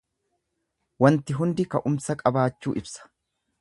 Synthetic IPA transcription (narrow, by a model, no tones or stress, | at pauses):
wɐnt̪ɪɦʊnd̪ɪkɐʔʊmsɐkʼɐbaːt͡ʃːuːʔɪbsɐ̥